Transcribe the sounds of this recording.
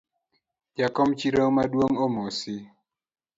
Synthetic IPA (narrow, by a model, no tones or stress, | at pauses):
d͡ʒakɔmt͡ʃiɾomadwoŋomosi